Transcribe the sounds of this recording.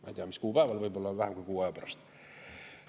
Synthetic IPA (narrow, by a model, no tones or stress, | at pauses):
mæ̰ːt̪iæmiskuːpæˑeʋælʋoibolːɑːʋæhæmkukuːæˑːpɑrɑ̰st̪